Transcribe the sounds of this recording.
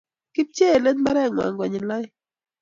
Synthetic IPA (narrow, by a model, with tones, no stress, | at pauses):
ki˦p̚t͡ʃe˦˨le˦dma˦ɾɛ˦˨ŋwa̰˨ŋɡwɔ˨ɲɪ˨la˦ɪ˦